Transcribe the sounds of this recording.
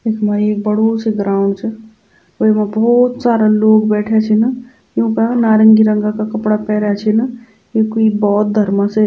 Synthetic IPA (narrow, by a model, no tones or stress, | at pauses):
ekʰmaɾieːk̚bɐɽ̤osiɡɾaːʊ̃ɳɖt͡ʃʰe | oːimabɔːt̪saːɾaloːɡbɛːʈʰet͡ʃʰena | jõːkanaːɾə̃ŋɡiɾɐ̃ŋɡakakɐpɽapɛːɾat͡ʃʰena | jekoibɔːt̪̚d̪ʱɐɾmase